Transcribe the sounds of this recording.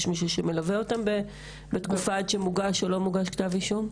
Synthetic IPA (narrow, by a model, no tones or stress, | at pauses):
ʃmiʃ̬uʃeme̞laveotambe | betkufadʃemuɡaʃo̞lo̞muɡaʃkt̪avliʃum